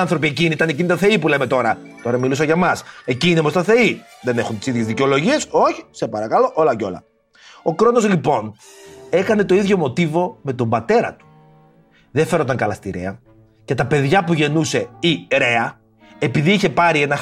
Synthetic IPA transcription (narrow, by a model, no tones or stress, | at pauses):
ɐnθɾo̞p̬ie̞ciniit̪ɐne̞cinit̪ɐθe̞ipulemet̪o̞ɾɐt̪o̞ɾɐmilusɐʝɐmɐse̞ciːnemost̪ɐθe̞i | ðe̞ne̞xunt̪isiðʝezðiceo̞lo̞ʝie̞so̞çi̥sepɐɾɐkɐlo̞ʔo̞lɐceo̞̰lɐ̰ | o̞kɾo̞no̞zlipo̞n | e̞kɐne̞t̪o̞iðʝo̞mo̞t̪ivo̞me̞t̪o̞mbɐt̪e̞ɾɐ̰t̪u̥ | ðefe̞ɾont̪ɐŋkɐlɐst̪iɾḛɐ | cet̪ɐpe̞ðʝɐpuʝe̞nuse̞iɾe̞ɐ | e̞piðiiçe̞pɐɾie̞nɐ